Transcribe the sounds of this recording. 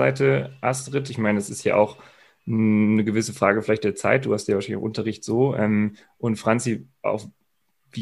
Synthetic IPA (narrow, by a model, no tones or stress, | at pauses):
aɪtʰəʔastʁɪtɪçmaɪnədasɪstja̰ːʔa̰ʊx | nəɡəvɪsəfʁ̥aːɡəfɪlaɪt̚d̥eːɐt͡sa̰ɪt̚d̥uːhastjaːvaːʃanɪça̰ʊʔʊntɐʁɪçtz̥oːʔɛm | ʔʊntfʁ̥ant͡siʔa̰ʊf | viː